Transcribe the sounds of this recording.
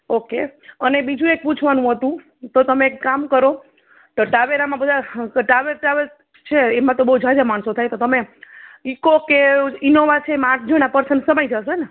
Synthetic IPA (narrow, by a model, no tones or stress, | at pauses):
okeənebid͡ʒũek̚put͡ʃʰʋanũɦət̪ũ | t̪ot̪əmekːamkəɾo | t̪oʈaʋeɾamãbəd̪ʱaʈaʋeɾʈaʋeɾ | t͡ʃʰeemãt̪obəɦud͡ʒʱad͡ʒamaɳsot̪ʰajt̪ot̪əmeikokeinoʋat͡ʃʰeemaʈ̚ʰd͡ʒʱəɽ̃apəɾsənsəmajd͡ʒaʃene